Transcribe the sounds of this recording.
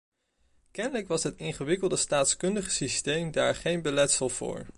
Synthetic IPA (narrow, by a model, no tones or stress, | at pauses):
kɛnələkʋɑsɦətɪŋχəʋɪkəlˠdəstaːtskɵndəχəsistejmdaːɹχejnbəlɛtsəlˠv̥ʊ̰ːɹ